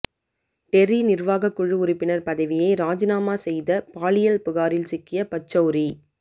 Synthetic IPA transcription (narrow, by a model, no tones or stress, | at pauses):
ʈ̪ɛɾinɪɾʋaːɣɐkːʊɻɯʊɾɪpːɪnɐɾpɐðɐʋɪjɐɪɾaːd͡ʒɪnaːmaːsɛjðɐpaːlɪjɐlpʊɣaːɾɪlsɪkːɪjɐpɐt͡ʃːɐːɾi